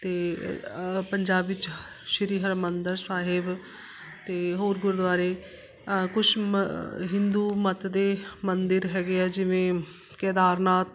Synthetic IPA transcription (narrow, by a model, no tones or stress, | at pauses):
t̪eː | pəɲd͡ʒaːbɪt͡ʃ | ʃəɾiːɦəɾmənd̪əɾsaːɦɪb | t̪eːɦoːɾɡʊɾd̪ʋaːɾeː | kʊt͡ʃʰ | ɦɪ̃nd̪uːmət̪d̪eːmənd̪ɪɾɦɛːɡeːɛːd͡ʒɪʋẽː | kɛːd̪aːɾnaːt̪